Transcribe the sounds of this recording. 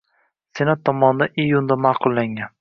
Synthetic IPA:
senat̪ʰːɒmɒnd̪aʔijːund̪amahqʰʊlˠːaŋɡan

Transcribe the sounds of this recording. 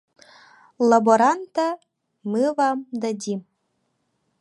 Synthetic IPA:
lˠaboɾant̪a | mɯvɑmd̪ad̪ʲim

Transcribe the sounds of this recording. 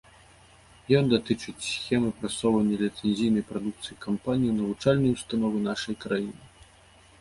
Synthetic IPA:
jɔnd̪at̪ɨt͡ʂɨt͡sʲsʲxʲɛmɨpɾasɔwvɐnʲːɐlʲit̪sɛnzʲijnɐjpɾad̪uk̚t̪sɨjikampanʲijiwnɐvut͡ʂalʲnɐjust̪anɔvɨnaʂɐjkɾajinɨ

